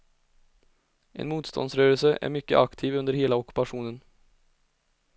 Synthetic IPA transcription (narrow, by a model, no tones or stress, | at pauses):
ʔɛ̰nmuːt̪st̪ʰɔ̰nd̪sɾøːɾəlsəʔæ̰ɾmʏkːə̰ʔakt̪ʰiːvɵnd̪əɾheːlaɔkʉ̥paʂuːnən